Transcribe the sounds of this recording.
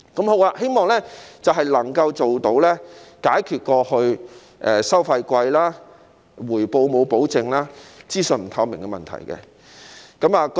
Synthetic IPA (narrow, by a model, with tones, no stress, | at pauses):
kɐ˨˥mho˨˥waː˧he˥jmɔː˨ŋlɛ˥t͡sɐ˨wɦɐ˨jlɐ˨˩ŋkɐ˧wt͡so˨wt̪o˨˥wlɛː˥kaː˨˥jkʰyː˨˩t̚kɔː˧hɵ˧ɥ | ʔɛ˨sɐ˥wfɐ˧jkʷɐ˧jlaː˥ | wuː˨˩jpo˧wmo˨˧wpo˨˥wt͡sɪ˨ŋlaː˥t͡siː˥sɵ˨nm̩˨˩t̪ʰɐ˧mɪ˨˩ŋkɛ˧mɐ̰˨nt̪ʰɐ̰˨˩jkɛ̰˧ | kɐ˨˥maː˨˧k